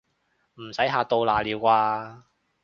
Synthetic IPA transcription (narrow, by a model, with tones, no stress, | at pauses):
m̩˨˩sɐ˨˥jɦaː˨˧t̪o˧wlaː˨liː˨˧wkʷaː˧